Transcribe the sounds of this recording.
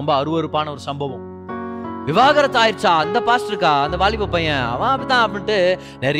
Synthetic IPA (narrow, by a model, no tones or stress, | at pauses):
ɔmbɐːɾɯʋɐɾɯpːaːnɐɔɾɯsɐmbɐʋɐ̃m | ʋɪʋaːɣɐɾɐt̪ːaːjɪɾt͡ʃːaːɐnd̪ɐpaːsʈɾɯkːaːɐnd̪ɐʋaːɭɪpːɯpːɐjɐ̃ɐ̰ʋɐ̃ːɐpːɐɽt̪ãːɐp̬ːɐɳʈːɯ | nɛɾɐ